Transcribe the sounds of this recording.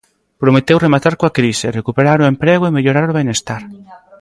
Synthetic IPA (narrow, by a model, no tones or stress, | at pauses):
pɾomet̪ewremat̪aɾkoakɾiserekupeɾaɾʊempɾeɣoemeʎoɾaɾoβenest̪aɾ